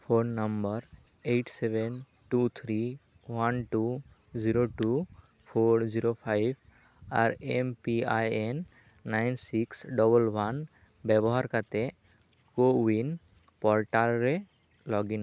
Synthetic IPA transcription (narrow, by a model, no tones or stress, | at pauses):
pʰonːəmbəɾ | eʈseben | ʈut̪ʰɾi | wanʈu | d͡ʒiɾoʈu | pʰoɾd͡ʒiɾopʰajbʱ | a̰ɾempiajenː | ajnsiksɖɔbəlwan | bɛbɔɦaɾkat̪e | kowin | pɔɾʈalɾe | lɔɡina